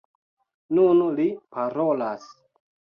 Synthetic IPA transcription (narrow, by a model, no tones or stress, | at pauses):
nunlipʰaɾolas